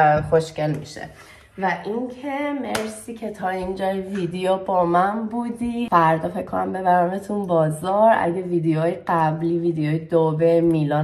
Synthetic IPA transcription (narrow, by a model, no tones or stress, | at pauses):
xoʃce̞lmḭːʃḛ | væʔiŋcʰemeɾsiːcʰe̞t̪ʰɒːind͡ʒɒːjeviːd̪ejɔbɒːmænbuːd̪ifæɾd̪ɒːfecʰkʰːonæmbe̞βæɾæmet̪ʰunbɒːzɒɾæ̰ɟeviːd̪ejoːjeɢæbliːviːd̪ejoːjed̪obemilɒː